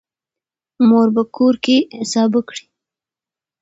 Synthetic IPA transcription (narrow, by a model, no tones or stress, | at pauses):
moɾbakʰoɾkeɪsɑbəkɽi̥